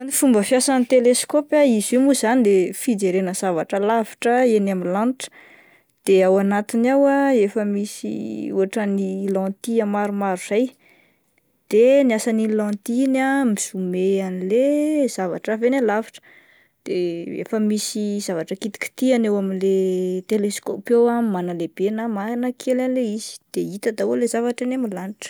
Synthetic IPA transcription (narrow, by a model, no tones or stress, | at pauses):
anifumbəfjasanit̪eleskopjaizemuzanid̪efid͡zeɾenəz̥avaʈ͡ʂəlavi̥ʈ͡ʂəenamilãnʈ͡ʂ | d̪̥eawanat̪inawaefəmisḭṵaʈ͡ʂənilãt̪iamaɾumaɾuz̥aj | d̪̥eniasanilãt̪inamiz̥umeanilez̥ava̰ʈ͡ʂavenalavaʈ͡ʂə̥ | d̪̥eḛfəmisizavaʈ͡ʂəkit̪i̥ki̥t̪ianewaminlet̪eleskopewamanəlebenamanakʰelanileiz̥i̥d̪̥eit̪əd̪awolezavaʈ͡ʂanemilanʈ͡ʂə̥